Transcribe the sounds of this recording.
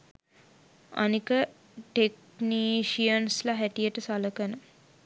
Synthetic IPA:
a̰nikə | ʈek̚ | niːʃijənslaɦæʈijəʈəsaləkənə

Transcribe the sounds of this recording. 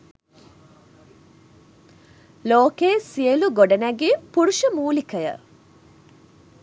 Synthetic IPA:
loːkeːsiəluɡoɖɐnæɡiːpuɾuʃəmuːlikəjə̰

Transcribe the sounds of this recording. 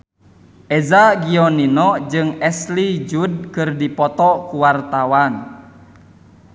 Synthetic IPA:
ʔɛzaɡiɔninɔd͡ʒɨŋɛslid͡ʒud̚kɨrdipɔt̪ɔkuwart̪awan

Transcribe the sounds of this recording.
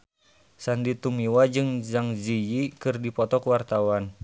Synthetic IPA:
sandit̪umiwad͡ʒɨŋzaŋzijikɨrdipɔt̪ɔkuwart̪awan

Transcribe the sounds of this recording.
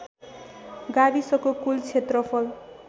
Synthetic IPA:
ɡabisʌkokult͡sʰet̪rʌpʰʌl

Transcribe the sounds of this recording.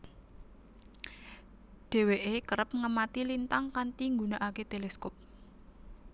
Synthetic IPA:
ɖ̥e̤weʔekəɾəp̚ŋəmat̪ilint̪aŋkant̪iŋɡunaʔaket̪eleskɔp̚

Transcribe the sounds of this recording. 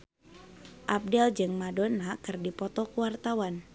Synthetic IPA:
ʔap̚dɛld͡ʒɨŋmadonakɨrdipɔt̪ɔkuwart̪awan

